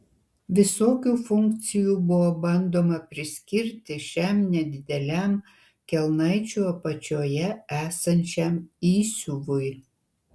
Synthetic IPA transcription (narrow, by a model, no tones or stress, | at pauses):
ʋʲɪsoːkʲuːfʊŋʲkt̪sʲɪjuːbʊʋobɐnd̪oːmɐpʲɾʲɪsʲkʲɪɾʲt̪ʲɪʃʲɛmnʲɛd̪ʲɪd̪ʲɛlʲæm | kʲɛlˠnɐɪt͡ʃʲuːɐpɐt͡ʃʲoːjɛæːsɐnʲt͡ʃʲɛmiːsʲʊʋʊɪ